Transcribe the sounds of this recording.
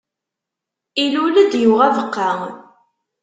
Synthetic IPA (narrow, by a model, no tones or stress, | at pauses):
iluləd̪juʁævəqːa